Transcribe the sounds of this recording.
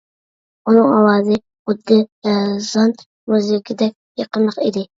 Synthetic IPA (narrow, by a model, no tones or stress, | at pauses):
unɨŋɑlˠɑːzɨ | χʊd̪ːɪzɑn | møzɪɡʲɪd̪ɛk̚ʲjəqənˠəqid̪ɪ